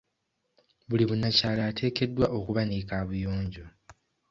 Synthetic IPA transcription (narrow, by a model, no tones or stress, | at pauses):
βuliβunacaːlaːtʰe̞ːke̞dːwaʔo̞kuβanikaβujo̞ːɲɟo